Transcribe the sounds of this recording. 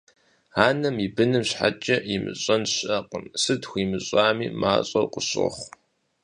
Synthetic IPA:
aːnɐmibɨnɨmɕħa̰t͡ʃʼɐjɪmɨ̰ɕʼɐnɕɐqʼənsɨtxʷiːmɨɕʼaːmḭːma̰ːɕʼɐwqʼəɕʼɨ̰χʷ

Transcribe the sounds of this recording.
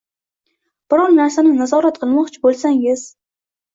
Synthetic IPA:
b̥ɪɾɒɾnaɾsanɪnazɒɾat̪qʰɨlˠmɒqt͡ʃʰɪbolˠsaŋɪz̥

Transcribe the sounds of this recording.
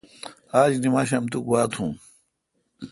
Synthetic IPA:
aːd͡ʑnimaːɕɐmt̪ukwaːt̪ʰũː

